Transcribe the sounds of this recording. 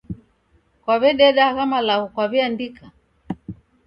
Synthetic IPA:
kwaβɛɗɛɗaɣamalaɣukwaβiandika

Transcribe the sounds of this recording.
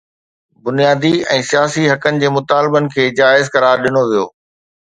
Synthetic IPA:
bʊnijaːd̪iɛ̃ːsijaːsiɦɐkənɪ̆d͡ʑeːmʊt̪aːlbənɪ̆kʰeːd͡ʑaːɪzkɐɾaːɾɗɪnoʋijo̰ː

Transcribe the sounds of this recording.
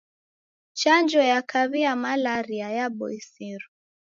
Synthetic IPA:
t͡ʃand͡ʒɔjakʰaβiamalaɾiajaɓɔ̰isiɾu

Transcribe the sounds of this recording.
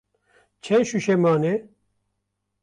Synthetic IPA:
t͡ʃʰɛɕuʃemaːne

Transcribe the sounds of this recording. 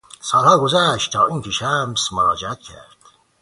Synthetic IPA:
sɑːlhɑːɡozæʃt̪t̪ʰɑːʔiːŋkʰeʃæmsmoɾɑːd͡ʒeæt̪̚cʰæ̰ɾd̪̥

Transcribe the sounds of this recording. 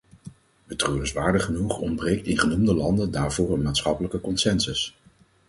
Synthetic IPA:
bətrøːəsʋaːɹdəχənuχɔ̰mbrejk̚tɪnχənumdəlɑndəndaːɹvʊːɹənmaːtsχɑpələkəkɔnsɛnsəs

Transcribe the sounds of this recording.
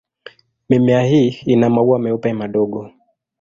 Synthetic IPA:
mimɛahiːnamauwamɛupɛmaɗɔɡɔ

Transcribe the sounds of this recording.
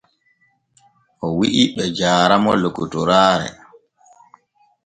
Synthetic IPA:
ʔɔwiʔiɓɛd͡ʒaːɾamɔlokutuɾaːɾɛ̰

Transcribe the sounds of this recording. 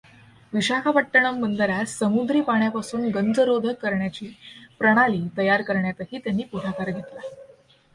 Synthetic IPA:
ʋiɕakʰapəʈːəɳ̃əmːənd̪əɾjasəmud̪ɾiːpaɳjapasuːnɡənd͡zəɾod̪ʱəkːəɾɳjat͡ɕiːpɾəɽ̃aliːt̪əjaɾkəɾɳjat̪əɦiːt̪janːiːpuɽʱakaɾɡʱet̪la

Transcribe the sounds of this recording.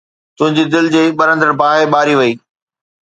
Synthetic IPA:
t̪ʊ̃ɦɪ̃ɲd͡ʑid̪ɪld͡ʑeːɓɐɾə̃nd̪əɾbaːɦeɓaːɾiʋɐiː

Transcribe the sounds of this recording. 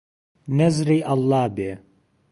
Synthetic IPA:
nɐzɾiːʔɐlˠːɑːbeː

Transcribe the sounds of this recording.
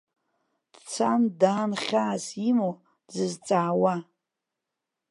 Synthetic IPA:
d̥t͡sʰandaːnχʲaːsimo | zɨzt͡sʼaːwa

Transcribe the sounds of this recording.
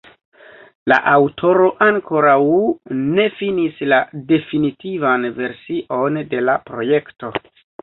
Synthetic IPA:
la̰ʔawtʰo̞ɾo̞ʔaŋkʰo̞ɾawne̞finislade̞finitivanve̞ɾsiʔo̞nde̞lapɾo̞je̞kto̞

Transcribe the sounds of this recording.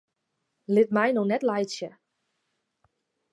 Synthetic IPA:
lɪtmɛjnɔxnɛtlajtsjə

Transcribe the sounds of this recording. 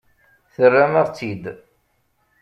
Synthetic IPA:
θərːaməʁt͡sːid̪

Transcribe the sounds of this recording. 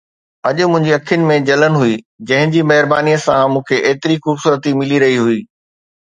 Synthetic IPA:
ɐʄʊ̆mʊ̃ɦɪ̃ɲd͡ʑiɐkʰijʊnɪ̆mẽd͡ʑɐlənɪ̆ɦuiː | d͡ʑɐ̃ɦɪ̃ɲd͡ʑimɐɦɪɾbaːnijəsãmũːkʰeʔeːt̪ɪɾixʊbsuːɾət̪imɪliɾɐɦiɦuiː

